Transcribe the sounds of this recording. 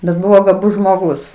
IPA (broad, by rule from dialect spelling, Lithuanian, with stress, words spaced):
bʲɛt ˈbʊʋoː ɡɐˈbʊs ʒmoːˈɡʊs